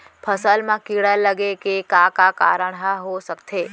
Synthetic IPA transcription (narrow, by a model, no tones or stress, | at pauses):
pʰəsəlmãkiɽələɡekekakaka̰ːɾəɽ̃ɦəɦosəkt̪ʰeː